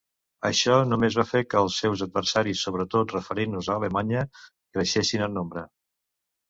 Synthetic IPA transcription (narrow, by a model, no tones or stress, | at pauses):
ə̰ʃɔnumezβafekəːlˠsːɛwzəd̪̚βəɾsaɾisːoβ̞ɾət̪ot̪rəfəɾenuzəːləmaɲə | kɾəʃesinənnːombɾə